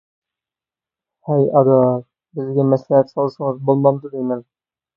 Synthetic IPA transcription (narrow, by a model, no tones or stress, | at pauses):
hæjɑd̪ɑ | bɘ̆zɡæmæslæhæt̪sɒlˠɤʃɤ̆ɴɤzbolˠmɑmd̪ɤ̆d̪ijmæn